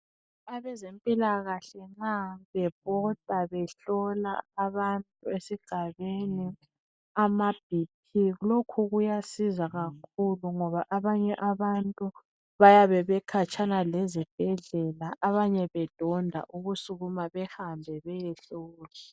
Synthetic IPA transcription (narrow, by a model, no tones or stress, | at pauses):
aβɛzempʼilaɣaɬɛŋ͡ǁaβɛpʼɔtʼaβɛɬɔla̰ːβantʼuesiɡ̥ʱaβeni | amab̥ʱip̚ʰiɣulokʰuɣujasizaɣakʰuluŋɔβaʔaβaɲɛʔaβantʼu | βajaβɛβɛkʰat͡ʃʼanalɛzib̥̚ʱɛɮɛlaʔaβaɲɛβɛd̥ʱɔndʱa̰ʔuɣusuɣumaβɛhambʱɛβɛjɛɬɔːla